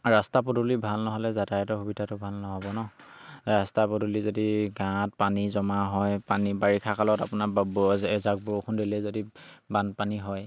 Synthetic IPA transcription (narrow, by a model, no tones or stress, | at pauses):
ɹastap̬ɔdulibʱalnɔɦɔlɛzadaɛtɔɦubidʱatʊbʱalnɔɦɔbɔnɔ | ɹastapodulizodiɡãt̚panizɔmaɦɔjpanibaɹikʰakalɔtapʊnabɛzak̚bɔokʰundilɛzodibanpaniɦɔj